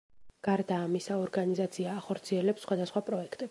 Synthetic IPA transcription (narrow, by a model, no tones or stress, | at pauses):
ɡ̥aɾd̪aːmisaɔɾɡanizat̪sʰiaːχɔɾt̪sʰiɛlɛpsːχwad̪asχwapʼɾɔɛkʰt̪ʼɛ